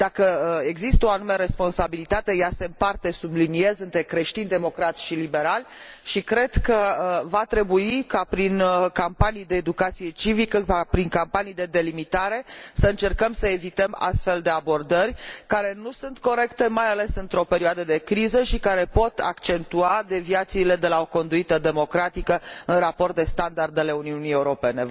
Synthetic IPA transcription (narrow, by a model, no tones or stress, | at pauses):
d̪akəe̞ɡzist̪əoanumeaɾe̞spo̞nsabilit̪at̪e̞jase̞mpart̪e̞sublinie̞zɨnt̪ɾe̞kɾe̞ʃt̪ind̪emo̞kɾat̪sʃilibe̞ɾalʲʃikɾe̞d̪kəvat̪ɾe̞buikapɾinkampanijd̪e̞ːd̪ukat̪sije̞t͡ʃivikəpɾiŋkampanijd̪e̞d̪e̞limit̪aɾe̞səɨnt͡ʃe̞rkəmsəe̞vit̪əma̰st̪fe̞ld̪e̞abo̞rd̪ərʲkaɾe̞nusunt̪ko̞ɾe̞kt̪e̞majale̞sɨnt̪ɾo̞pe̞ɾioad̪əd̪e̞kɾizəʃikaɾe̞po̞t̪ʰa̰kt͡ʃe̞nt̪uad̪e̞viat̪siːle̞d̪e̞lao̞ko̞nd̪uit̪əd̪e̞mo̞kɾat̪ikəɨnrapo̞rt̪̚d̪e̞st̪and̪ard̪ele̞uniunijeuɾo̞pe̞ne̞